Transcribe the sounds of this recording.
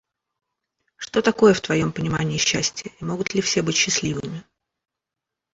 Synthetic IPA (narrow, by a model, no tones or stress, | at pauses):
ʂt̪o̞t̪ɐko̞jəft̪vɐjo̞mpənʲɪmanʲɪːɕːæsʲtʲɪjəimo̞ɡʊt̪lʲɪfsʲe̞bɨtʲɕːɪslʲivɨmʲɪ